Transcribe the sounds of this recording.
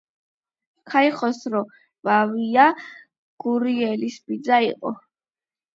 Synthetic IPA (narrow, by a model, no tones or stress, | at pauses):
kʰaiχɔsɾɔ | vavia | ɡ̥uɾiɛlisbid̪zaḭqʼɔ